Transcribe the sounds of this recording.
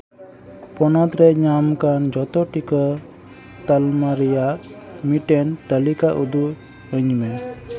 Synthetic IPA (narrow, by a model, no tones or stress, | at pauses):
pɔnat̪ɾɛɲamkand͡ʒɔt̪ɔʈikə | t̪almaɾɛjaʔmiʈɛnt̪əlikaʔud̪u | əɲmɛn